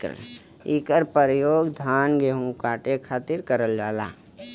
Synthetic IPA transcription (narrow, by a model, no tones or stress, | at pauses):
ə̰ | ikəɾpəɾjoːɡd̪ʱaːnɡeɦũkaːʈekʰaːt̪ɪɾkəɾəld͡ʒaːla̰ː